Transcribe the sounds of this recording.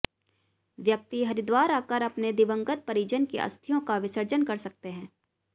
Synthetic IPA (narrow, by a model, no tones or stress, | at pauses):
ʋjɐk̚t̪iɦɐɾɪd̪waːɾaːkəɾɐpned̪ɪʋə̃ŋɡət̪̚pɐɾiːd͡ʒənkḛʔɐ̰st̪ʰijõkaʋɪsəɾd͡ʒənkɐɾsɐk̚t̪eɦɛ̃ː